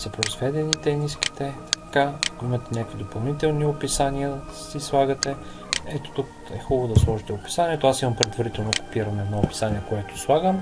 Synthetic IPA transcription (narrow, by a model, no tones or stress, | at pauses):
sɐpɾoizvɛd̪ɛnit̪ɛniski̥t̪ɛkaɐkoimɐt̪ɛnʲakvid̪opɐlˠnit̪ɛlˠniopisaniə | sislˠaɡət̪ɛ | ɛt̪o̥t̪uk | ɛ̰xɔbəvod̪ɐslˠɔʒit̪ɛopi̥saniɛt̪oasimɐmpɾɛd̪vɐɾit̪ɛlˠnoko̥piɾənɛd̪nɔopi̥saniɛkoɛt̪o̥slˠaɡəm